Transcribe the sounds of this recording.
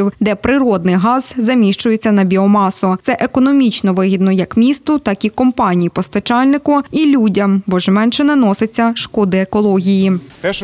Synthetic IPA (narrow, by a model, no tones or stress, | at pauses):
iwd̪ɛpɾɪɾɔd̪nɪjɦɑzzɐmʲiʃt͡ʃʊjet͡sʲːɐnɐbʲiɔmɑsʊt̪sɛʔekɔnɔmʲit͡ʃnɔʋɪɦʲid̪nɔjɐkmʲist̪ʊt̪ɑkikɔmpɑnʲijipɔst̪ɐt͡ʃɑlʲnɪkʊilʲudʲɐmbɔʒmɛnʃɪnɐnɔsɪt͡sʲːɐʃkɔd̪ɪekɔlˠɔɦʲiji